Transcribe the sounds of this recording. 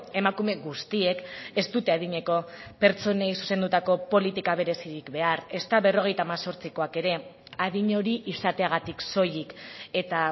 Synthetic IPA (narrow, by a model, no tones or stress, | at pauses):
e̞makume̞ɣust̪ie̞ke̞st̪ut̪e̞aðiɲe̞ko̞pe̞ɾt͡so̞nejsu̥se̞nd̪ut̪ako̞po̞lit̪ikaβe̞ɾe̞siɾikbe̞are̞st̪aβe̞ro̞ɣ̞e̞jt̪aːmaso̞ɾt͡siko̞ake̞ɾe̞ | að̞iɲo̞ɾiʔisat̪e̞aɣ̞at̪ikso̞jike̞t̪a